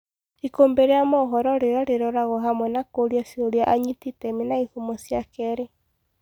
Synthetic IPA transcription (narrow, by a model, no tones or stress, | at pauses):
ikoːmbeɾejamɔɦɔɾɔɾeɾɔɾeɾɔɾaɣɔɦamwɛnakoɾjasioɾjaʔaɲititɛminaihumosjakɛɾe